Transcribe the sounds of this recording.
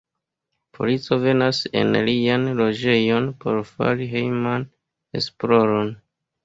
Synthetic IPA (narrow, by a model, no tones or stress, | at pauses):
pʰo̞̰lit͡so̞ve̞nase̞̰nlianlo̞d͡ʒe̞jo̞npo̞̰ɾfa̰ɾiɦejman | e̞̰splo̞ɾo̞n